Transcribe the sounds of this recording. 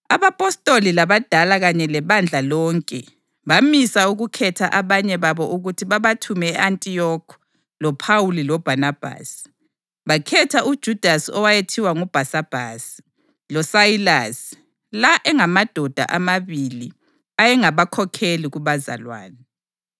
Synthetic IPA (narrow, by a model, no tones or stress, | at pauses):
aβapʼɔstʼolilaβad̥ʱalaɣaɲɛlɛβand͡ɮʱalɔːŋkʼɛ | βamisauɣukʰɛtʰaʔaβaɲɛβaβɔʔuɣutʰiβaβatʰumɛɛantʼijɔkʰ | lɔpʰawulilɔb̥ʱanab̥ʱa̰s | βakʰɛtʰaud̥ʒ̥ʱud̥ʱasɔwajetʰiwaŋub̥ʱasab̥ʱa̰si̥ | lɔsajilas | laʔɛŋamad̥ʱɔd̥ʱa̰ʔamaβili | ajɛŋaβakʰɔkʰeliɣuβaza̰lwa̰ːnɛ